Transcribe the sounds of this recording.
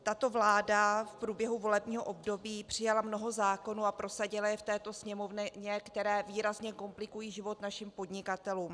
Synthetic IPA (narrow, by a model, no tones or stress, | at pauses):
t̪at̪o̞vlaːdafpɾuːbjɛɦuvo̞lɛbɲiːɦo̞ʔo̞bdo̞biːpr̝̥ɪjalamno̞ɦo̞zaːko̞nuːapɾo̞saɟɪlajɛft̪ɛːt̪o̞sɲɛmo̞vnɲɛkt̪ɛɾɛːviːɾazɲɛko̞mplɪkujiːʒɪvo̞t̪naʃɪmpo̞dɲɪkat̪ɛluːm